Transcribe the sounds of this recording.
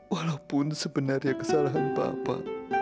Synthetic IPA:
walawpʊnsəbənarjakəsalaɦanpa̰a̰pa̰

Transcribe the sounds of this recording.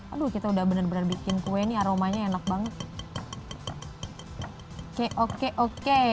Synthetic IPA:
adukit̪audahbənərbənərbikɪnkuwɛniaɾomaɲaenak̚baŋət̪̚ | keʔokeʔoke

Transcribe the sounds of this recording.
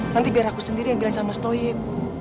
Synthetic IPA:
nant̪̬ibiaɾakusəndiɾijaŋbilaŋsamasə̥t̪ɔip̚

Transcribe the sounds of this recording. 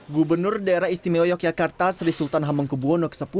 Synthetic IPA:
ɡubərnʊrdaeɾahist̪imeojɔk̚jakart̪asrisult̪anɦaməŋkubuɔnokə̥səpu

